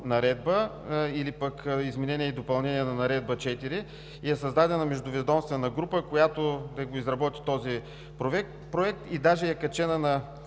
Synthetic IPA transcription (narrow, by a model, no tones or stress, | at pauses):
nɐɾɛd̪bəilipəkizmɛnɛniɛid̪opɐlˠnɛniɛnɐnɐɾɛd̪̚bət͡ʃɛt̪iɾi | iɛsɐzd̪ad̪ɛnɐmɛʒd̪ʊvɛd̪ɔmst̪vɛnɐɡɾupəkojat̪od̪ɐɡoizɾɐbɔt̪i̥t̪ɔzi | pɾoɛkt̪pɾoɛk̚t̪id̪aʒɛɛkɐt͡ʃɛnənɐ